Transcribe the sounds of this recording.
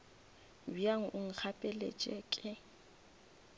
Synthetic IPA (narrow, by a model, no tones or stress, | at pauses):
biaŋ̩ʔʊŋ̩k͡xʰapʼɛlḛt͡ʃʼɛkʼɪ